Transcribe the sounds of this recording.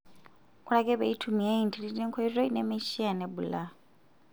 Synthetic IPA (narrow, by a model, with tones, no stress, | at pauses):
kʰu˦ɺa˦kʼɛ˦βɛ̰˨i˦tʰu˨mi˨ja˦i˨ntʰi˨ɺi˦tɛ˦ŋkʰɔ˦i˦zʷɔ˦i˦nɛ˦mɛ˦ʃi˦a˨nɛ˦bu˨la˦